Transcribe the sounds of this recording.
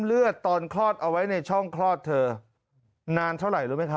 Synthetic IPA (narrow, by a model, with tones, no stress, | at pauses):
lɯ˥˩ət̪ːɔː˧nkʰlɔː˥˩t̪̚ʔa˧wa˦˥jna˧jt͡ɕʰɔ˥˩ŋkʰlɔː˥˩t̪ʰːɤː˧ | naː˧nt̪ʰa˥˩wɾa˨˩jɾuː˦˥t̚ma˦˥kʰa˦˥